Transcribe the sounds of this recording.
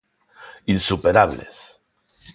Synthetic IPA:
insupeɾaβlḛs

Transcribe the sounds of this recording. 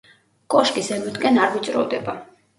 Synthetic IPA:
kʼɔʃkʼisɛmud̪ɡɛnaɾvit̪t͡ʃ̪ʼɾɔ̰vd̪ɛba

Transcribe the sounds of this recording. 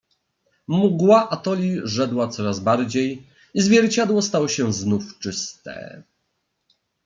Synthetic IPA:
muɡwaʔat̪ɔlʲiʐɛd̪wat̪sɔɾazbaɾd͡ʑej | izvʲjɛɾt͡ɕad̪wɔst̪awɔɕɛznuft͡ʂɘst̪ɛ̰

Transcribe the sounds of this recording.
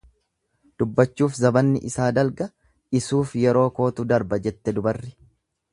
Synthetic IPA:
d̪̥ʊbːɐt͡ʃːuːfzɐbɐnːɪ̰ʔɪsaːd̪ɐlɡɐ | ɪsuːfjɛɾo̞ːko̞ːt̪ʊd̪ɐɾbɐd͡ʒɛt̪ːɛd̪ʊbɐrːɪ

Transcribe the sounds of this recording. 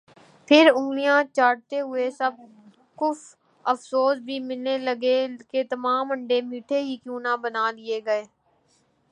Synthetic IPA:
pʰɪɾʊ̃ŋɡlijãːt͡ʃaːɽ̚t̪eɦʊesəb̚ | kʊf | əfsoːsbʱiːmɪlneləɡeket̪ɐmaːmə̃ɳɖemiːʈʰeɦiːkjuːnãːbənaːlɪeɡɐeː

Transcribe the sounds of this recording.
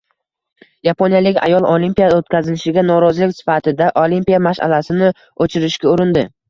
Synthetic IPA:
japʰonijalɪkʲa̰jɒlˠʔolimpijaot̪̚kʲʰazɪnɪʃɪɡʲanɒɾɒzlɪkʲsɪ̥fat̪ʰɪd̪aʔolimpijamaʃa̰lasɪnɪ | ot͡ʃʰɪɾɪʃkʲaʊɾɪnd̪ɪ

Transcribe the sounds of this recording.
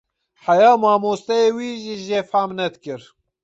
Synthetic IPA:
ħɛjɑːmɑːmoːst̪ɛjeːwiːʒiːʒeːfaːmnɛd̪kɨɾ

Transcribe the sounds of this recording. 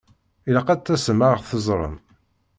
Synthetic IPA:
iləqæt͡s̪ːæsəmaɾəʁθəzˤɾˤə̰m

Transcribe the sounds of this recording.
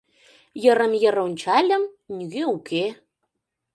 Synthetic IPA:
jə̆ɾə̆mjə̆ɾunʲt͡ɕɑlʲə̆m | nʲyɣeukʰe

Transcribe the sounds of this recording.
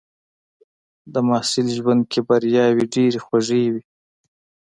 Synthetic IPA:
d̪əmɑːsɪlʒwand̪̚kʰebaɾjɑwiɖeɾexwaʐewi

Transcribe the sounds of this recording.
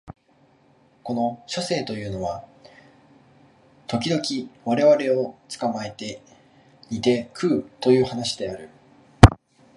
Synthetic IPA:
ko̞no̞ɕo̞se̞ːt̪o̞jɯ̟ːno̞βa | t̪o̞kʲid̪o̞kʲiβaɾe̞βaɾe̞o̞t͡sɨ̥kamae̞t̪e̞ | it̪e̞kʰɯ̟ːt̪o̞jɯ̟ːhanaɕid̪e̞aɾɯ̟

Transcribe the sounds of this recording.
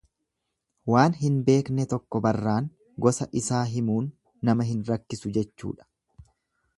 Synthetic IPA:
waːnɦɪnbe̞ːknɛt̪ɔkːɔbɐrːaːŋ | ɡɔsɐʔɪsaːɦɪmuːnː | ɐmɐɦɪnɾɐkːɪsʊd͡ʒɛt͡ʃːṵːᶑɐ̥

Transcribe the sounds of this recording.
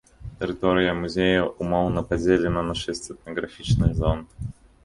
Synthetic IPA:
t̪ʲɪɾʲɪt̪oɾʲɪjəmʊzʲejəʊmalˠnəpɐdʲelʲɪnənaʂɛsʲtʲɪt̪nəɡɾɐfʲit͡ɕnɨjzon

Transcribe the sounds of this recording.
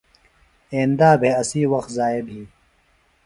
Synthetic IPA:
ẽːnd̪aːbʱeːɐsiːwɐxt̪zaːebʱiː

